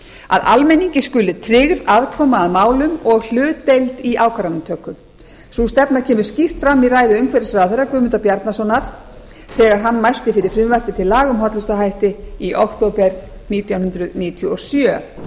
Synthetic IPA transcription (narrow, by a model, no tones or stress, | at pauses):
a̰ða̰lmɛniɲcɪscʏlːɪt̪ʰɾɪɣɾaðkʰɔmaːðmaːwlʏmɔɣl̥ʏːt̪ːejlt̪iʔaːwkʰaɾanʏmt̪ʰœːkʏm | sust̪ɛpnaɾ̥cʰɛːmʏɾ̥scift̪fɾamːiɾaːjðʏœɥŋkʰɛɾɪsɾaːðθerːakʏːmʏnt̪apjaɾt̪nasɔnaɾ̥ | θɛːɣaɾ̥ɦanːmajr̥t̪ɪfɪɾɪ̥fɾɪmvɛr̥pɪt̪ʰɪlːaːɣʏmɦɔt̪lʏst̪aɦajht̪ɪiʔokt̪owpɛɾniːt̪jawnhʏnt̪ɾʏðniːt̪ʰjuɔsjœː